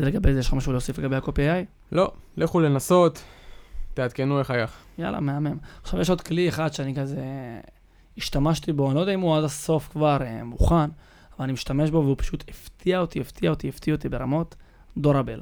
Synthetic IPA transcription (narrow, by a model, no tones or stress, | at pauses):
d̪leɡabezeeʃlamaʃulosifleɡabeakopiaj | lo̞leχulenaso̞t̪ː | eat̪kenueχajaχ | ja̰la̰me̞amemaχʃavjeʃo̞d̪klieχad̪ʃeanikaze | iʃt̪amaʃt̪ibo̞anilod̪aimuadaso̞fkvaʁemuχan | avalanimiʃt̪ameʃbo̞veupḁʃut̪ʰeft̪ʰiaot̪ieft̪iaotieftiot̪ibe̞ʁamo̞t̪ | d̪oɾabel